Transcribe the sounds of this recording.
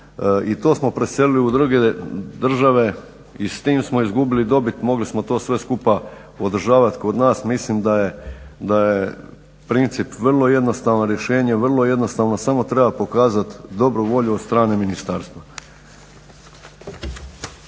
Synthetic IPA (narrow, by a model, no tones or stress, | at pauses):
it̪o̞ːsmo̞pɾesje̞liliud̪ɾɡed̪r̩ʒaʋe̞ | ist̪iːmsmo̞izɡubilid̪o̞bit̪mo̞ɡlismo̞t̪o̞ːsʋe̞skupa | o̞d̪r̩ʒaːʋat̪ko̞d̪naːsmislimd̪ajed̪aje | pɾint̪sipʋr̩lˠo̞je̞d̪no̞st̪aːʋnoɾjeʃe̞ːɲeʋrlˠo̞je̞d̪no̞st̪aːʋnosamo̞t̪ɾe̞bapo̞kaːzat̪d̪o̞bɾuʋo̞ʎud̪st̪ɾaːne̞minist̪aɾst̪ʋa